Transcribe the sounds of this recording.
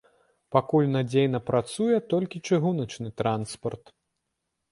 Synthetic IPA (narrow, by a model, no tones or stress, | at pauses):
pakulʲnad͡zʲejnɐpɾat̪sujɛt̪ɔlʲkʲit͡ʂɨɣunɐt͡ʂnɨt̪ɾanspɐrt̪